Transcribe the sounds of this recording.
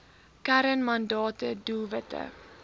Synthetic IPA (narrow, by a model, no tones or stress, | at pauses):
kæɾənmɐndɑːtədulˠvətə̰